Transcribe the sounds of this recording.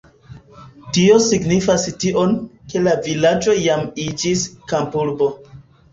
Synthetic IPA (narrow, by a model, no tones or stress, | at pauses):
tio̞siɡnifastiʔo̞nke̞lavilad͡ʒo̞jamid͡ʒiskampuɾbo̞